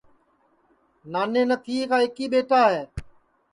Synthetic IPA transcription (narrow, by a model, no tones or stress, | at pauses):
naːneːnət̪ʰiːkaːɪkiːɓeːʈaːɦeː